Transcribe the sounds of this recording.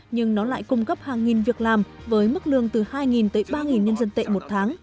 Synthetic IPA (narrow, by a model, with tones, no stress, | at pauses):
ɲɨ˧ŋnɔ˨˦la̰ː˧˨jkʊ˧ŋ͡mkə˦˥p̚haː˨˩ŋːi˨˩nvi˨˩ək̚laː˨˩mvəː˨˦jmɨ˦˥k̚lɨ̰˧˨əŋt̪ɨ˨˩haː˧jŋi˨˩nt̪əː˨˦jɓaː˧ŋi˨˩nɲə˧nzə˧nt̪ḛ˧˨mo˨˩t̚t̪ʰaː˨˦ŋ